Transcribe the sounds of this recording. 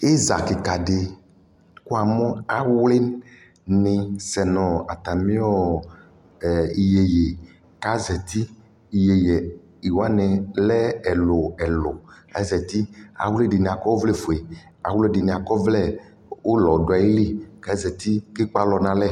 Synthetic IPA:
e˦za̰˨ke˨ka˨ɖe˨ | ku˦a˨mɔ̃˦a˨wle˦n | nĩ˨sɛ˨nɔ̃˨a˨t̪a˨mĩ˦ɔ˦˨ | i˨je˨je˨ | ka˦zɛ˨t̪i˦ | i˨je˨je˨ | i˨wa˦nɛ̃˨lɛ˦ɛ˨lo˨ɛ˨lo˨ | a˦zɛ˨t̪i˦a̰˨wle˦ɖi˨nĩ˨a˨kɔ˦wo˦vlɛ˦fo˨e˨ | a̰˨wle˦ɖi˨nĩ˨a˨kɔ˦vlɛ˦ | wo˦lɔ˨ɖɔ˨a˨je˦li˦ka˦zɛ˨t̪i˦ke˦k͡pa˦lɔ˨nã˨lɛ˦˨

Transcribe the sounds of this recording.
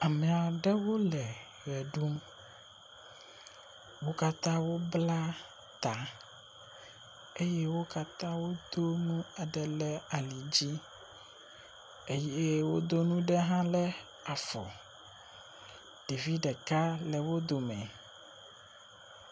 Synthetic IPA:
a˨mɛ̃˨a˨ɖɛ˦wo˦lɛ˨ | ɣɛ˨ɖu˦m | wo˦ka˦t̪ã˦wo˦bla˦ | t̪a˨ | e˦jɛ˦wo˦ka˦t̪ã˦wo˦d̪̥o˦nũ˦a˨ɖɛ˨lɛ˦a˨li˨d͡ʑi˦ | e˦jɛ˦wo̰˦d̪o˦nũ˦ɖɛ˦ɦã˦lɛ˦ | a˨fɔ̰˨ | ɖ̥e˨vi˦ɖɛ˨ka˦lɛ˨wo˦d̪o˨mɛ̰̃˨

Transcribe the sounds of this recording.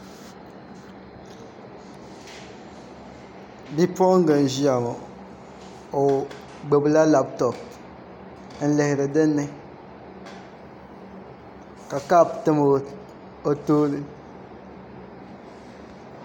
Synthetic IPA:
bi˦pɔ˦ŋ˦ɡa˨n˨ʒi˦a˨ma˨ | o˨ | ɡ͡be˨bla˦la˦ptɔ˨p | n̩˨lɛ˨hɪ˨ɾɨ˨dɪ˦nːɛ˦ | ka˨ka˦˨ptɨ˦m˨ | o˨toː˦lɨ˦

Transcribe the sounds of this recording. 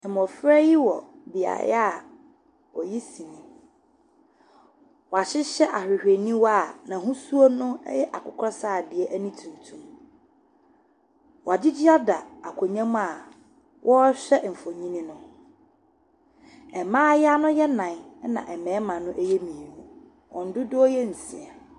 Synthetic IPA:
ɛ˨m˨ɔ̃˨fɾɛ˦ji˦wɔ˨ | bɪ˨a̰˨j̰a˦˨ | ɔ˨ji˦sĩ˨nĩ˨ | wɔ˨a˨ɕɪ˦ɕɛ˦ʔa˨hᶣɪ˨hᶣe˨nĩ˦wɔ˦˨nã˨ɦũ˦su˦o˦nʊ̰̃˦jɛ˦ʔa˨kʰʊ˦kʰɾɔ˦saː˦˨dɪ˨ɛ˦ʔæ˦nĩ˦tʰũ˨ntʰũ˦m | wɔ˨a˨dɪ˦d͡ʑɪ˦a˦da˨a˨kʰo˨ɲã˦m˦a˦˨ | wʔɔ˦ɕᶣɛ˦m̩˨fo˨ɲĩ˦nĩ˦nʊ̃˦ | ɛ˨mãː˦ja˦nʊ̃˦jɛ˦nã˨n˦nã̰˨ʔɛ˨mɛ̃ː˨˦mã˨nʊ̃˦ʔɛ˦jɛ˦mĩ˨i˨wu˦ | wʔɔ̰̃˨n̩˦dʊ˦dʊ˦ɔ˦jɛ˦n̩˨sɪ̰˨ɛ˨

